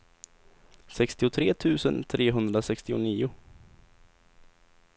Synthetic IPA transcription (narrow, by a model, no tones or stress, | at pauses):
sɛkst̪ɪʊt̪ʰɾeːt̪ʰʉ̟ːsənt̪ʰɾeːɦɵnd̪ɾasɛkst̪ɪʊ̰niːʊ